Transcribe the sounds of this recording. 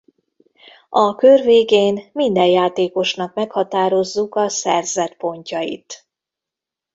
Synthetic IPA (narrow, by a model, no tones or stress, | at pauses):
ɒkørveːɡeːnmind̪ɛjjaːt̪eːko̞ʃnɒkmɛkhɒt̪aːɾo̞zːukɒsɛrzɛt̪po̞ɲcɒjḭt̪